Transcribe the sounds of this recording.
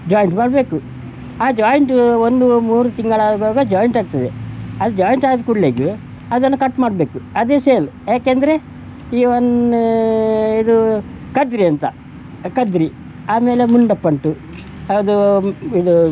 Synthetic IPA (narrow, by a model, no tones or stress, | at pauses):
d͡ʒaːjiɳʈmaːɽbe̞ːku | aːd͡ʒaːjiɳʈo̞nd̪umuːɾut̪iŋɡɐɭaːd̪ɐbaːɡɐd͡ʒaːjiɳʈaːɡ̚t̪ɐd̪eɐd̪ud͡ʒaːjiɳʈaːd̪kuɽleːɡu | ɐd̪ɐnːɐkɐʈːmaːɽbeːkuɐd̪eːseːlujaːkeːnd̪ɐɾe̞ | ion | id̪u | kɐd̪ɾiɐnt̪ɐ̰ | kɐd̪ɾi | aːme̞ːlemuɳɖɐpːɐɳʈu | ɐd̪uid̪u